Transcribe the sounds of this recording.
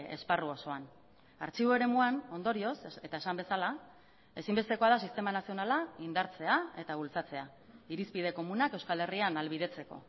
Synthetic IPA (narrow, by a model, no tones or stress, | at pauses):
ḛsparuo̞so̞an | a̰ɾt͡ʃiβoe̞ɾe̞muano̞nd̪o̞ɾio̞se̞t̪ae̞sambe̞sala | e̞simbest̪e̞ko̞aðasist̪e̞manasio̞nalaind̪aɾt͡se̞ae̞t̪aβ̞ult͡sat͡se̞a | iɾispiðe̞ko̞munake̞wskale̞rianalβiðe̞t͡se̞ko̞̰